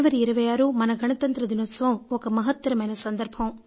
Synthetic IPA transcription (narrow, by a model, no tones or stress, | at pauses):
ʋɐɾiiɾɐʋɐjaːɾumɐnɐɡʱɐɳɐt̪ɐnt̪ɾɐd̪inoːt̪sɐʋɐmɔkɐmɐɦɐt̪ːɐɾɐmɐjnɐsɐnd̪ɐɾbʱɐm